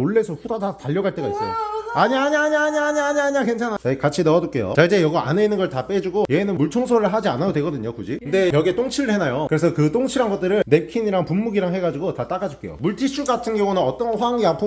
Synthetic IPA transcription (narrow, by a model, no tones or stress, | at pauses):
oɭːe̞sʰʌɸudadataʎːʌɡaɭt͈e̞ɡais͈ʌjo̰aɲiɦaɲaɲaaɲaaɲiɦaɲiɦaɲakwe̞nt͡ɕʰanɦat͡ɕaikat͡ɕʰinʌʌdok͈e̞jo̰t͡ɕaid͡ʑe̞jʌɡʌa̰neinːɯnɡʌɭtap͈e̞d͡ʑuɡojeːnɯnmuɭt͡ɕʰoŋsʰoɾɯɭɦad͡ʑia̰naodwe̞ɡʌdɯɲokud͡ʑikɯnde̞jʌɡiet͈oŋt͡ɕʰiɾɯɭhenajokɯɾe̞s̬ʰʌkɯt͈oŋt͡ɕʰiɾɦanɡʌt͈ɯɾɯɭne̞kʰiɲiɾaŋpumːuɡiɾaŋɦe̞ɡad͡ʑiɡotat͈aɡad͡ʑok͈e̞̰jo̰muɭtʰiɕʰuɡatʰɯnɡjʌŋunɯnʌt͈ʌnɸwaŋjapʰu